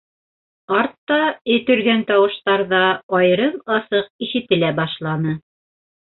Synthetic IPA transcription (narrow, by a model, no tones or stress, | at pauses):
ɑɾt̪ːɑɵ̆t̪ɵ̆ɾɡænt̪ɑwɤ̆ʃt̪ɑɾðɑɑjɤ̆ɾɤɴɑsɤq̚iʃɘ̆t̪ɘ̆læbɑʃlˠɑnɤ